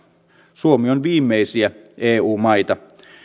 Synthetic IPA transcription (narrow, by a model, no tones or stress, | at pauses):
suomionʋiːmːeisiæeːuːmɑit̪ɑ